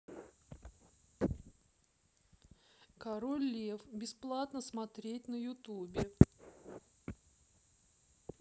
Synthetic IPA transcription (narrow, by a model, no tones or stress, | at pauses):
kɐɾolʲːefbʲɪsplˠat̪nəsmɐt̪ɾʲet̚ʲnəjʊt̪ubʲɪ